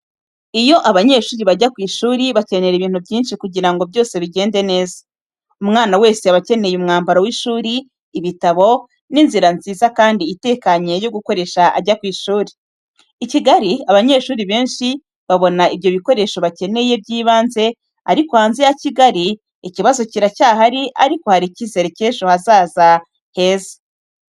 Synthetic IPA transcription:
ijo̞ʔaβaɲe̞ːʃuːɾiβaɟakwiːʃuːɾiβace̞ne̞ɾeβiːn̥ubɟiːnʃikuɟiɾaŋɡo̞bjo̞ːse̞βiɟe̞ːnde̞ne̞ːza | umŋaːnawe̞ːse̞βace̞ne̞jumŋaːmbaɾawiʃuːɾiː | βitaβo̞ | ninziɾanziːzakaːndiːte̞ːkaɲejo̞ɡukoɾe̞ʃaʔa̰ɟakwiːʃuːɾi̥ | iciɡaɾiaβaɲe̞ːʃuːɾiβeːnʃi | βaβo̞naiβjo̞βiko̞ɾe̞ʃo̞βace̞ne̞jebɟiːβaːnze̞ | aɾikohaːnzejaciɡaɾi | iciβazo̞ciɾacaːhaɾiʔaɾiko̞haɾicize̞ɾeceːʃohazaːza | he̞ːzḁ

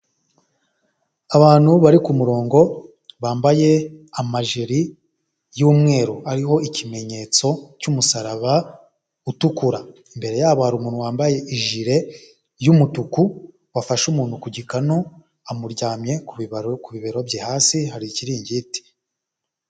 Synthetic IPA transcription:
aβaːn̥huβaɾikumuɾo̞ːŋɡo̞ | βaːmbaje̞amaʒeɾi | juːmŋe̞ːɾoaɾiho̞ʔicime̞ɲe̞ːt͡so̞cumusaɾaβa | utukuɾa | imbe̞ɾe̞jaːβohaɾumuːnhuwaːmbaje̞ʔiʒiɾe̞ | jumutuku | wafaʃumuːn̥hukuɟikano | amuɾɟaːmɲe̞kuβiβeɾo̞bjehaːsihaɾiciɾiːɲɟiti̥

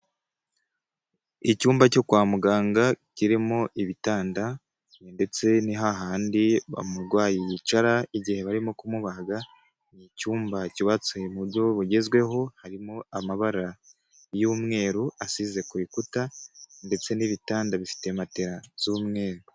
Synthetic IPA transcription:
icuːmbaco̞kwaːmuɡaːŋɡaciɾimoʔiβitaːnda | ende̞t͡se̞niɦaɦaːndiβa̰muɾɡwaːjijit͡ʃaɾaiɟihe̞βaɾimokumuβaɡa | nicuːmbaciβat͡sujemuɾjo̞βuɟe̞zɡwe̞ɦo̞haɾimoamaβaɾa | juːmŋe̞ːɾuasize̞kuβikutande̞t͡se̞niβitaːndaβifi̥te̞mate̞ɾaz̥uːmŋe̞ːɾu

